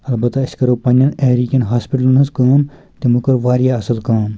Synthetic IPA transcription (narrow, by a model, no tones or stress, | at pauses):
ɐlbɐt̪aɐskɐɾopɐnʲːɐneːɾikʲɐnɦaːspiʈɐlnɐskaːn | t̪imukɐɾʋaːɾijaɐsɐlkaːn